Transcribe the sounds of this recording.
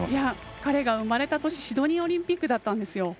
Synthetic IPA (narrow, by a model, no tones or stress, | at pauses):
jakaɾe̞ɡaɯ̟maɾe̞t̪at̪o̞ɕi̥ɕid̪o̞ɲ̟ĩo̞ɾʲĩmpʲikːɯ̟d̪at̪ːãnd̪e̞sɨjo̞